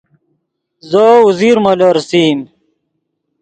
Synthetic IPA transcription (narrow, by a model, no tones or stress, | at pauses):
zouziɾmɐlɐɾsiːm